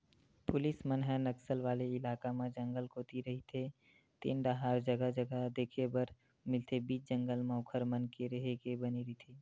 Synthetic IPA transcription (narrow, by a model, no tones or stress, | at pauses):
pʊlɪsmənɦənəksəlʋaːleɪlaːkamẽd͡ʒə̃ŋɡəlkʰoːt̪iɾɐɦit̪ʰe | t̪ḛːnɖaɦaːɾd͡ʒəɡəd͡ʒəɡəd̪eːkʰebəɾ | mɪlt̪ʰebiːt͡ʃd͡ʒə̃ŋɡəlmaːkʰəɾmənkeɾəɦekebəniɾit̪ʰiː